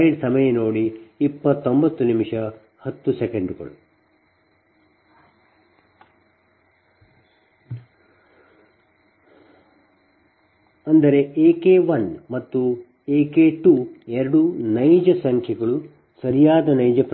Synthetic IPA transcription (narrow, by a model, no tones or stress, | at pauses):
iɖsɐmɐjɐnoːɽiipːɐt̪ːombɐt̪ːunimiʂɐ | hɐt̪ːusekeɳɖuɡɐ̰ɭu | ɐnd̪ɐɾe̞ʔeːkeːʋɐnmɐt̪ːu | eːkeːʈuɛɾɐɽunɐjd͡ʒɐsɐŋkʰjɐɡɐɭu | sɐɾijaːd̪ɐnɐjd͡ʒɐpɾ